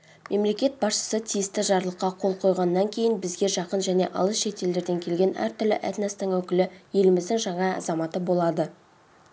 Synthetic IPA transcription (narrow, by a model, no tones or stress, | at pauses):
mʔe̞mle̞kʲe̞t̪̚bɑsʃə̥sət̪ʰijɪst̪ɪʒɑɾlˠəqːɑqʰo̞lˠqʰo̞jʁɑnːɑŋkʲʰe̞jɪnbɪzɡʲe̞ʒɑqənʒæne̞ʔɑ̰lˠəsʃe̞t̪e̞ld̪e̞ɾd̪e̞ŋkʲʰe̞lɡʲe̞næ̰ɾt̪ʏɾlɪ̰ʔæ̰t̪nest̪ɪŋwɵkʲɪlɪje̞lɪmɪzd̪ɪŋʒɑɴɑɑ̰zɑmɑt̪əbo̞lˠɑd̪ə